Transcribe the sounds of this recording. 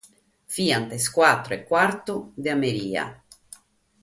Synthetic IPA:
fiːant̪eskwat̪ːɾʊekːwart̪ud̪eameɾiːa̰

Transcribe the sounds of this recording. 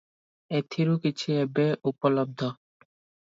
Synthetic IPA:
et̪ʰiɾukit͡ɕʰiebeupɔlɔb̚d̪ʱɔ

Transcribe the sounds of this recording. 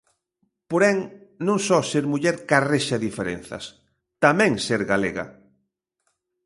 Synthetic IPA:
poɾɛŋnũŋsɔseɾmuʎɛɾkareʃaðifeɾḛn̟θɐ̰s | t̪amɛ̃ŋseɾɣaleɣa̰

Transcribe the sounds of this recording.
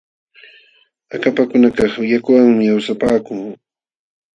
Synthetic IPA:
akapakʊnakɑχɪjakʊwaŋmɪawsapaːkʊŋ

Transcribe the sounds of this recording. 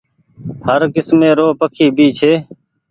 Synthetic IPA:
həɾkɪsmẽːɾoːpəkʰiːbʱiːt͡ʃʰeː

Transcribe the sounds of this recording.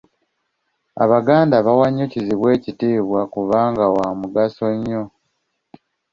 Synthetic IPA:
a̰βaɡaːndaβawaɲːociziβwe̞ːcitiːβwakuβaːŋɡawamuɡaso̞ɲːo̞

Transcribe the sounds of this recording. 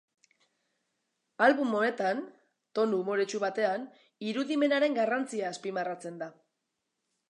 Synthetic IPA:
alβumo̞e̞t̪an | t̪o̞nuːmo̞ɾe̞t͡ʃuβat̪e̞an | iɾuðime̞naɾe̞ŋɡarant͡siaːspimarat͡se̞nd̪a

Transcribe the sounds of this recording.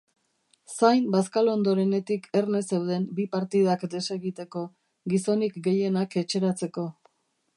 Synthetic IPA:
sajmbaskalo̞nd̪o̞ɾe̞ne̞t̪ikʰe̞ɾne̞se̞wð̞e̞mbipaɾt̪ið̞akd̪e̞se̞ɣit̪e̞ko̞ | ɡiso̞nikɡe̞je̞nake̞t͡ʃe̞ɾat͡se̞ko̞

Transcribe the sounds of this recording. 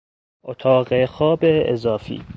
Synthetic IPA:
ʔot̪ʰɒːɣexɒːbḛːzɒːfḭː

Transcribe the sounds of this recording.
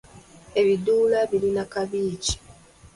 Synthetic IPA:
e̞βiduːlaβilinakaβiːci̥

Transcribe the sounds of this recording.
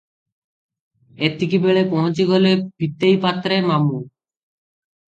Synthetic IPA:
et̪ʰːikibeɭepɔ̃ɦot͡ɕiɡɔlepit̪ːejpat̪ːɾemamu

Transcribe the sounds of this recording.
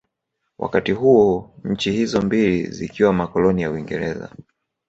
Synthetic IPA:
wʔa̰katihuɔɲ̩t͡ʃihizɔmbilḭzḭkiwamakɔlɔnijawiŋɡɛɾɛza̰

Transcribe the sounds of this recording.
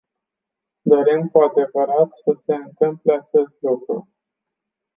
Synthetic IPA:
d̪o̞ɾemkuad̪e̞vəɾat̪səse̞ɨnt̪ɨmple̞at͡ʃe̞st̪lukɾṵ

